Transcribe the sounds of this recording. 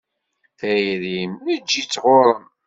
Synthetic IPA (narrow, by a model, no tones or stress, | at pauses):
θæjiðimnəd͡ʒːit͡sːʁoɾˤəm